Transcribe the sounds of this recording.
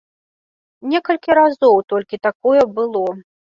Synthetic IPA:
nʲɛkɐlʲkʲiɾazɔwt̪ɔlʲkʲit̪akɔjɛbɨlˠɔ

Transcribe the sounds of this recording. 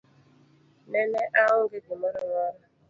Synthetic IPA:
neneʔaɦʊɡɪɡʊmoɾʊŋɔɾa

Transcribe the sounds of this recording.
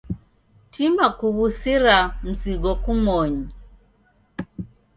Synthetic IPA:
tʰimakuβusiɾam̩ziɡɔkumɔɲi

